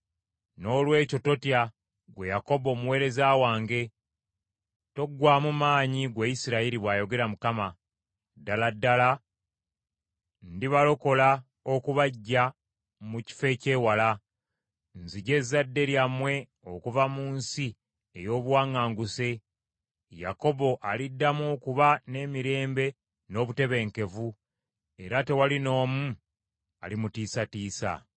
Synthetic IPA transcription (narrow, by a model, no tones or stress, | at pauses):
no̞ːlwe̞ːco̞to̞tja | ɡwe̞jako̞bo̞ːmuwe̞ːɾe̞zaːwaːŋɡe̞ | to̞ɡːwaːmumaːɲiɡweisiɾaiɾiβwaːjo̞ɡe̞ɾamukama | daladːala | ndiβalo̞ko̞la | o̞kuβaɟːa | muci̥fe̞ce̞ːwala | nziɟe̞zadːe̞ɾjamwe̞ | o̞kuvamuːnsi | ejo̞ːβwaːŋaːŋɡuse̞ | ja̰ko̞βo̞ʔalidːamo̞kuβane̞ːmiɾe̞ːmbe̞ | no̞ːβute̞βe̞ŋke̞vu | e̞ɾate̞walino̞ːmu | a̰limutiːsatiːsa̰